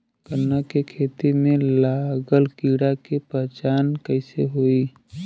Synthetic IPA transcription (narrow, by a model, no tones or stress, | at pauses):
kənːakekʰeːt̪imẽlaːɡəlkiɽakepəɦt͡ʃaːnkəɪseɦoːi